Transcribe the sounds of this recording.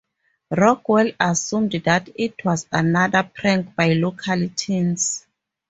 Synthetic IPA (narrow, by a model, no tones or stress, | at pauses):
rɔkwɛlasũmddatʰitʰwɔzanadapʰɹɛ̃ŋkbajlokʰalitʰins